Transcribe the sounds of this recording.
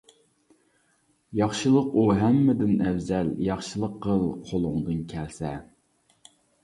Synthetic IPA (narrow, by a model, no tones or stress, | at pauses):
jɑχʃɨlˠəquɦæmːɪd̪ɪnɛvzɛljɑχʃɨlˠəqʰːəlˠqʰolˠʊŋd̪ɨnkʲʰɛlsɛ